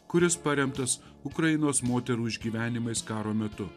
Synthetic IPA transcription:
kʊɾʲɪspɐɾʲɛmt̪ɐs | ʊkɾɐjɪnoːsmoːt̪ʲɛɾuːɪʒʲɡʲiːʋʲæːnʲɪmɐɪskɑːɾoːmʲɛt̪ʊ

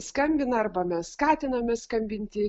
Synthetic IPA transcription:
skɐmʲbʲɪnɐɐrbɐmʲɛsskɑːt̪ʲɪnɐmʲɛskɐmʲbʲɪnʲt̪ʲɪ

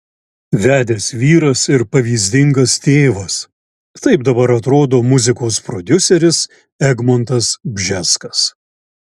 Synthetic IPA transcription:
ʋʲæːd̪ʲeːsʋʲiːɾɐsɪɾpɐʋʲiːzʲd̪ʲɪŋɡɐst̪ʲeːʋɐs | t̪ɐɪb̚d̪ɐbɐɾɐt̪ɾoːd̪oːmʊzʲɪkoːspɾɔd̪ʲʊsʲɛɾʲɪs | ɛɡmont̪ɐsbʲʒʲɛskɐs

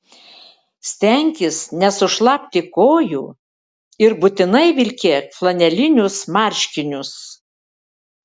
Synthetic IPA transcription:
sʲt̪ʲɛŋʲkʲɪsnʲɛsʊʃlˠɑpʲt̪ʲɪkoːjuː | ɪɾbʊt̪ʲɪnɐɪʋʲɪlʲkʲeflˠɐnʲɛlʲɪnʲʊsmɑˑɾʲʃʲkʲɪnʲʊs

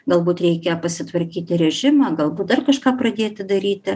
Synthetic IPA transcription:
ɡɐlˠbuːt̪ɾʲɛɪkʲɛpɐsʲɪt̪ʋɐɾʲkʲiːt̪ʲɪɾʲɛʒʲɪmɑɡɐlˠbuːt̪̚d̪ɐrkɐʃkɑːprɐd̪ʲeːt̪ʲɪd̪ɐɾʲiːt̪ʲɪ

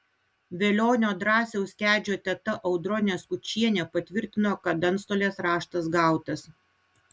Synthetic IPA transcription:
ʋʲelʲoːnʲoːd̪ɾɑːsʲɛʊsʲkʲæːd͡ʒʲoːt̪ʲɛt̪ɐʔɐʊd̪ɾɔnʲeːskʊt͡ʃʲiɛnʲɛːpɐt̪ʲʋʲɪɾʲt̪ʲɪnoːkɐt̪̚d̪ɐnt̪st̪oːlʲeːsɾɑːʃt̪ɐsɡɑˑʊt̪ɐs

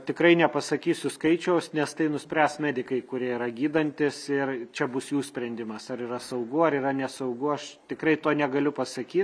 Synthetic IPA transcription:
t̪ʲɪkɾɐɪnʲɛpɐsɐkʲiːsʲʊskɐɪt͡ʃʲɛʊsnʲɛst̪ɐɪnʊsʲpʲɾʲæːsmʲæːd̪ʲɪkɐɪkʊɾʲiɛiɾɐɡʲiːd̪ɐnʲt̪ʲɪsɪrt͡ʃʲɛbʊsjuːsʲpʲɾʲɛnʲd̪ʲɪmɐsɐɾirɐsɐʊɡʊɐɾiɾɐnʲɛsɐʊɡʊɐʃt̪ʲɪkɾɐɪt̪oːnʲɛɡɐlʲʊpɐsɐkʲiːt̪

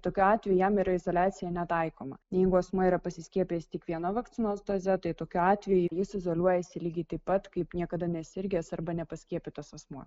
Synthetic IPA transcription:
t̪oːkʲuɑːt̪ʲʋʲɛjujæmiːɾɐɪzoːlʲæːt̪sʲɪjɛnʲɛt̪ɐɪkoːmɐ̰nʲjɛɪɡʊɐsmuiːɾɐpɐsʲɪsʲkʲiɛpʲijsʲt̪ʲiɛkʋʲiɛnɐʋɐkt̪ʲɪnoːsd̪oːzʲɛt̪ɐɪt̪oːkʲuɑːt̪ʲʋʲɛjʊjɪsɪzoːlʲuɔjɛsʲɪlʲiːɡʲɪt̪ɐɪpːɐt̪kɐɪpnʲiɛkɐd̪ɐnʲɛsʲɪɾʲɡʲeːsɐɾbɐnʲɛpɐsʲkʲiɛpʲɪt̪ɐsɐsmuɔ

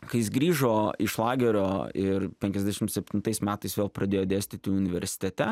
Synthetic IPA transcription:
kɐɪjɪsɡɾʲiːʒoːɪʃlˠɑːɡʲɛɾʲoːɪɾpʲɛŋʲkʲɛzd̪ʲæʃʲɪmt̪sʲɛpʲt̪ʲɪnt̪ɐɪsmʲæːt̪ɐɪsʋʲeːlˠpɾɐd̪ʲeːjoːd̪ʲeːsʲt̪ʲɪt̪ʲɪʊnʲɪʋʲɛɾʲsʲɪ̥t̪ʲɛt̪ʲɛ

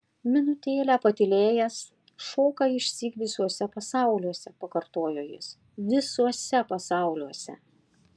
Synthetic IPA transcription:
mʲɪnʊt̪ʲeːlʲæːpɐt̪ʲɪlʲeːjɛs | ʃoːkɑɪʃʲsʲiːkʋ̪ʲɪsʲuɔsʲɛpɐsɑˑʊlʲuɔsʲɛpɐkɐɾt̪oːjoːjɪ̰s | ʋʲɪsuɔsʲɛpɐsɑˑʊlʲuɔsʲɛ̰

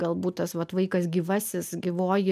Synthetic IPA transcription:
ɡ̥ɐlˠbuːt̚t̪ɐsʋɐt̪ʋɐɪkɐsɡʲiːʋɐsʲɪsɡʲiʋoːjɪ

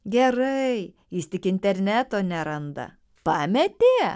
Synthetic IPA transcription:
ɡʲɛɾɐɪ | jɪst̪ʲɪkɪnʲt̪ʲɛɾʲnʲæːt̪oːnʲɛɾɐnd̪ɐ̰ | pɑːmʲɛt̪ʲe

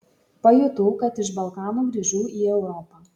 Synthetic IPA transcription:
pɐjʊt̪uːkɐt̪ɪʃ̬bɐlˠkɑːnuːɡɾʲiʒʲuːiːɛʊɾɔːpɑː

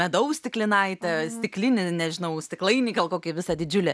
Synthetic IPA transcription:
mʲɛd̪ɐʊsʲt̪ʲɪklʲɪnɐɪt̪ʲɛsʲt̪ʲɪklʲɪnʲɪnʲɛʒʲɪnɐʊsʲt̪ʲɪklˠɐɪnʲiːɡɐlˠkoːkʲɪʋʲɪsɐd̪ʲɪd͡ʒʲʊlʲɪ

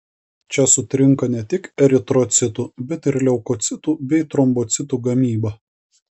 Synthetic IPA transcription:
t͡ʃʲɛsʊt̪ʲɾʲɪŋkɐnʲɛt̪ʲɪkɛɾʲɪt̪ɾɔt̪sʲɪt̪uːbʲɛt̪ɪɾlʲɛʊkɔt̪sʲɪt̪uːbʲɛɪt̪ɾɔmbɔt̪sʲɪt̪uːɡɐmʲiːbɐ

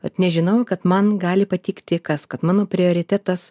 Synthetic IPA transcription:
ʋɐ̰t̪nʲɛʒʲɪnɐʊkɐt̪mɐnɡɑːlʲɪpɐt̪ʲiːkt̪ʲɪkɐskɐt̪mɑːnoːpʲɾʲɪoːɾʲɪt̪ʲæt̪ɐs

